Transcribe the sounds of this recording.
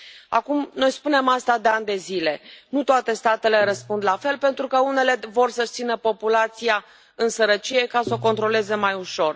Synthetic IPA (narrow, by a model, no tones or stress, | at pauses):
a̰kumnojspune̞mast̪ad̪e̞and̪e̞zile̞nut̪oat̪e̞st̪at̪e̞le̞rəspund̪lafe̞lpe̞nt̪ɾukəune̞le̞vo̞rsəʃt̪sinəpo̞pulat̪sija | ɨnsəɾət͡ʃije̞kasəo̞ko̞nt̪ɾo̞le̞ze̞majuʃo̞r